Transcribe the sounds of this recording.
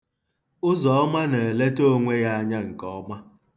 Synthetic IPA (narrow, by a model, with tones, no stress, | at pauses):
ʊ˦zɔ˨ɔ˦ma˦ne˨e˨le˦to˦ŋʷe˦ja˦a˦ɲa˦ŋ̩˨kɔ˦ma˦